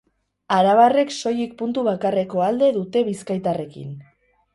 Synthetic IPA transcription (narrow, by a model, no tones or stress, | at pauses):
aɾaβare̞kso̞jik̚punt̪uβakare̞ko̞ald̪e̞ðut̪e̞βiskajt̪are̞kḭn